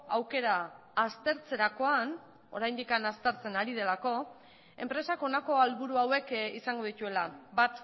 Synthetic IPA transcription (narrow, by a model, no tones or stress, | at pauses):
awke̞ɾaː | st̪e̞ɾt͡se̞ɾako̞an | o̞ɾajnd̪ikanast̪e̞ɾt͡se̞naɾið̞e̞lako̞ | e̞mpɾe̞sako̞nako̞alβuɾuawe̞kisaŋɡo̞ð̞it̪ue̞la̰bat̪